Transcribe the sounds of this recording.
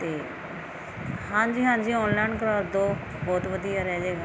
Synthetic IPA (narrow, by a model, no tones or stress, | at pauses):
t̪eː | hãːɲd͡ʒiːɦãːnd͡ʒiːɔːnlaːɪnkəɾaːɾd̪oː | bɔːt̪ʋəd̪ijaːɾɛːd͡ʒeːɡa